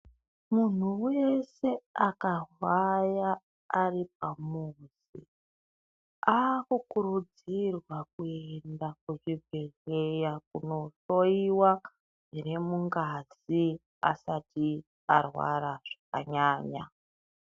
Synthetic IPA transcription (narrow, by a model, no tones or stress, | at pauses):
mun̤uwe̞se̞akawajaː | rip̚amuːzi | akukuɾud͡zirwak̚uendak̚uʐivʱe̞rejakuno̞ʃo̞iwa | iɾe̞muŋɡazi | a̰sati | arwa̰ɾaʐ̥aka̰ɲaːɲa̰